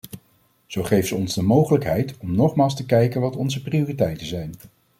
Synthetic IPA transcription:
z̥owχejfsəɔnzdəmowχələkɦɛjtɔmnɔχmaːlˠstəkɛjkənʋɑtɔnzəpriʊːritɛjtənzɛjn

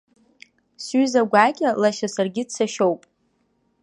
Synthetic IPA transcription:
sɥyzaɡʷaːkʲʼalaʃasarɡʲɪdsʰaʃowpʼ

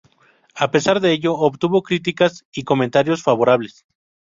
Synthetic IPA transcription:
ape̞saɾðe̞eʝo̞ːβt̪uβo̞kɾit̪̬ikasiko̞mẽnt̪aɾjo̞sfaβo̞ɾaβ̞le̞s

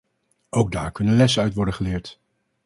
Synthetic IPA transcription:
owɡ̚daːɹkɵnənlɛsənœɥtʋɔɹdəχəlɪːɹt

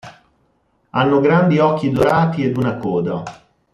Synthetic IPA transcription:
anːoɡɾand̪iɔkːid̪oɾaːt̪ied̪unakɔːd̪a

